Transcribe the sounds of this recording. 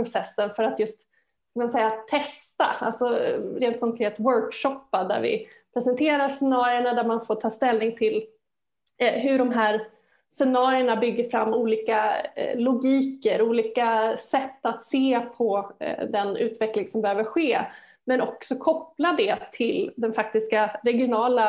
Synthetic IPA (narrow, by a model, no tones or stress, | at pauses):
ɾʊsɛsːənfœɾat̪jɵst̪ | skamansɛjːat̪ʰɛst̪a̰a̰lsɔɾeːnt̪̚kʰɔŋkʰɾeːt̪wœɾkʂɔpːad̪æ̰ɾvɪ̰ | pʰɾɛsɛnt̪ʰeːɾasɛnɑːɾɪəɳad̪æɾmanfoːʈʰɑːst̪ɛlnɪŋt̪ʰɪl | ɦɵɖɔmɦæːɾ | sɛnɑːɾɪəɳabʏɡːəɾfɾa̰mːuːliːkalʊɡiːkəɾuːliːkasɛt̪ːat̪seːpʰɔd̪ɛnʉ̟ːt̪vɛklɪŋsɔmbɛhøːvəɧeː | mɛnɔksɔkʰɔplad̪ɛt̪ʰɪld̪ɛnfak̚t̪ɪskaɾɛɡɪʊnɑːla